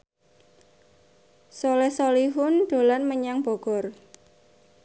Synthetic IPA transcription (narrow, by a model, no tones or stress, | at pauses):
solɛhsoliɦʊnɖ̪̥o̤lanməɲaŋb̥ɔ̤ɡ̥ɔ̤r